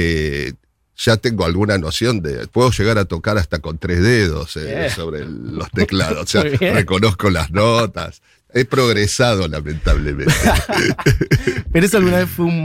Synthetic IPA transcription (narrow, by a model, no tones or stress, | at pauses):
e | ʒ̥at̪eŋɡoalɣunano̞sjo̞nd̪ḛpweðo̞ʒeɣ̞aɾat̪o̞kaɾast̪ako̞nt̪ɾezðeðo̞̰sso̞βɾelo̞st̪ekla̰ðosseareko̞no̞sko̞la̰znot̪a̰s | epɾo̞ɣɾesað̞o̞lamẽ̞nt̪aβlemẽnt̪e | peɾoesoalɣunaβeθfweum